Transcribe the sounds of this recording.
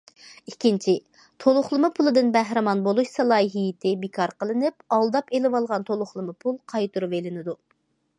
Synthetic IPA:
ikʲʰint͡ʃʰi | t̪ʰolˠʊχlˠɨmɨpʰulˠɨd̪ɨnbæɦɾɪmɑnbolˠuʃsɑlˠɑːjiɦijɪt̪ʰɪbɪkʰɑɾqəlˠɨnɪp̚ɑlˠd̪ɑpelɪwɑlˠʁɑnt̪ʰolˠʊχlˠɨmɨpʰulˠqʰɑjt̪uɾuvelɪnɪd̪u

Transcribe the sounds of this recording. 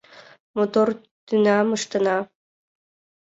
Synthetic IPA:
mot̪or | t̪ynɑməʃt̪ənɑ

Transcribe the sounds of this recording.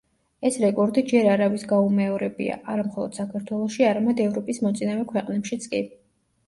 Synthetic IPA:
ɛsɾɛkʼɔɾd̪id͡ʒɛɾaɾavisɡaumɛɔɾɛbḭa̰ʔaɾamχɔlˠɔd̪̥sakʰaɾt̪ʰwɛlˠɔʃiaɾamɛd̪ɛvɾɔpʼismɔt̪sʼinavɛkʰwɛqʼnɛpʃit̪sʼkʼi

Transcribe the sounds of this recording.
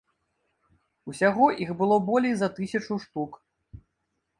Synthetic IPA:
usʲaɣɔʔiɣbɨlˠɔbɔlʲejzɐt̪ɨsʲɐt͡ʂuʂt̪uk

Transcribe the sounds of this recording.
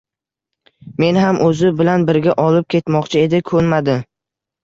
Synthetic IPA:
me̞nɦamʔɵzɪbɪlanbɪɾɡʲaʔɒlɪp̚kʲʰe̞t̪mɒqt͡ʃʰɪe̞d̪ɪkʰɵɾmad̪ɪ

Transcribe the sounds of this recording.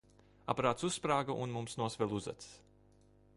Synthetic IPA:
a̰paɾaːt̪sussːpɾaːɡaʔunmumsnuɔsvɛlˠuza̰t̪s

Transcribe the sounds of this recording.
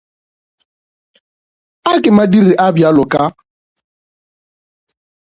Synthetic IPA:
akɪmadiɾiʔabjalʊka

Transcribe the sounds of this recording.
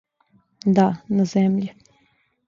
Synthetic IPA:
d̪anazɛmʎi

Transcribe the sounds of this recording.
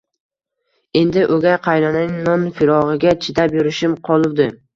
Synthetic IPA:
e̞nd̪ɪʔoɡʲajqʰɑjlɒnanɪŋnɒnfɪɾɒʁɨɡʲat͡ʃʰɪd̪apjʊɾɪʃɪmqʰɒlˠʊwd̪ɪ

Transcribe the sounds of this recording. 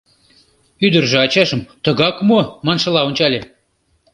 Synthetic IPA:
yd̪ərʒĕɑt͡ɕɑʃə̆mt̪ə̆ɣɑkmomɑnʃɤ̆lɑonʲt͡ɕɑlʲe

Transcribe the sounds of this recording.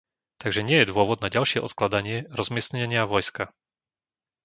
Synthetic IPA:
t̪aɡʒɛɲɪɛjɛd̪ʊɔʋɔd̪̚naɟalʃɪɛʔɔt̪klad̪aɲɪɛɾɔzmɪɛsɲɛɲɪaʋɔjska

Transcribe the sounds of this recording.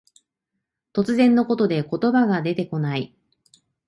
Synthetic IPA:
t̪o̞t͡sɨzẽ̞nːo̞ko̞t̪o̞d̪e̞ko̞t̪o̞baɡad̪e̞t̪e̞ko̞nai

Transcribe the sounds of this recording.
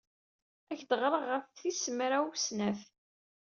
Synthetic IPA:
æçd̪əʁɾˤəʁːəfθisəmɾæwusnæθ

